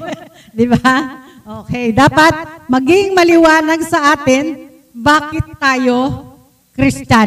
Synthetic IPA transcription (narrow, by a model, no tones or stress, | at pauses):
d̪ɪba | ʔoːkɛjd̪aːpɐt̪̚mɐɡɪŋmɐlɪwaːnɐɡsɐʔaːt̪ɪn | baːkɪt̪ːaːjo̞ | kɾɪst͡ʃa